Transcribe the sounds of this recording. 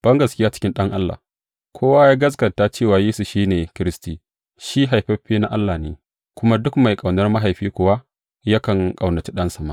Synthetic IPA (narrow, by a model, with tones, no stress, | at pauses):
b̥ɐ˦ŋɡɐ˨skʲɪ˦jaː˦t͡ʃɪ̥˦kʲɪ˦nɗɐ˦ŋʔa˦lːa̰˨ | kʷʰoː˦waː˦jaː˦ɡɐ˦s̬ɡɐ˨ta˦t͡ʃeː˦˨waː˨jeː˦su˨ʃiː˦neː˨kʲɪ˦ɾɪ˦stiː˨ | ʃi˦ɦa˨jɸɐ˦ɸeː˦na˦ʔa˦lːaː˨nḛː˨ | kʷʊ˦ma˦dʊ˦kma˨jkʼa˨wnɐ˦rma˦ɦa˨jɸiː˦kʷʊ˨wa˦ | ja˦kɐ˨ŋkʼa˨wnɐ˨t͡ʃi˦ɗɐ˦nsɐ˨ma̰˦